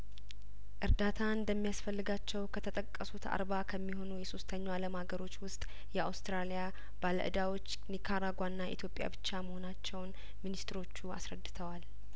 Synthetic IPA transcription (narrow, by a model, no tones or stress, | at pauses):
ʔɨɾd̪at̪ʰand̪əmːijasfəlːɨɡat͡ʃːɛwkʰət̪ʰət̪ʼəkʼːəsut̪ʰa̰ɾbakʰəmːiɦo̞nujɛsost̪ʰəɲːaaləmhaɡəɾo̞t͡ʃːwʊst̪ʼ | jɛawst̪ɾalija | balə̰ʔɨ̰d̪awo̞t͡ʃː | nikʰaɾaɡʷanːaḭt̪ʰjo̞pʼja̰bɨt͡ʃːaməho̞nat͡ʃːɛwn | minist̪ɨɾo̞t͡ʃːua̰sɾəd̪ːɨt̪ʰəwal